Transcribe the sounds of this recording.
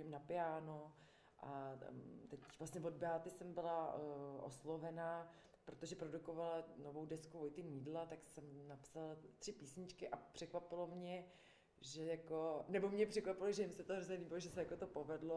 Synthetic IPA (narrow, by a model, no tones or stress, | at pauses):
ɪmnapɪjaːno | ʔa | t̪ɛcvlast̪ɲɛvo̞dbɛaːt̪ɪsɛmbɪlaʔoslovɛna | pɾot̪oʒɛpɾo̞dukovalanovowdɛskuvojt̪ɪmiːdlat̪aksɛmnapsalt̪r̝̥ɪpiːsɲɪt͡ʃkɪʔapr̥ɛkvapɪlo̞mɲɛ | ʒɛjakonɛbo̞mɲɛpr̝̥ɛkvapɪloʒɛjɪmsɛt̪oɦɾozɲɛliːbɪloʒɛsɛjako̞t̪opo̞vɛdlo